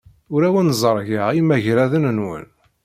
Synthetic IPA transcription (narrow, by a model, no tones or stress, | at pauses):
ʊɾæwənzˤəɾˤʝəʁimæʝɾæðənənwə̰n